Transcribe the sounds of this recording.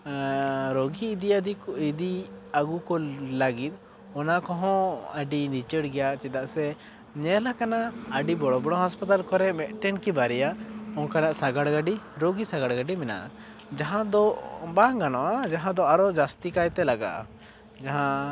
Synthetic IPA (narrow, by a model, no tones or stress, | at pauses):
ɾoɡiːd̪iad̪iid̪iaɡukɔlaɡit̪̚ˀ | ɔnakɔɦɔ̃əɖinit͡ʃəɽɡɛjaʔt͡ʃɛd̪aʔsɛ | ɲɛlakanaəɖibɔɽɔbɔɽ̃ɔɦaspat̪alkɔɾɛmɛʔʈɛnkibaɾɛjaʔɔnkanaʔsaɡaɽɡaɖiɾoɡisaɡaɽɡaɖimɛna̰ʔa̰ | d͡ʒaɦãd̪ɔbaŋɡanɔʔad͡ʒaɦãd̪ɔaɾɔd͡ʒast̪ikajt̪ɛlaɡa̰ʔa̰ | d͡ʒaɦã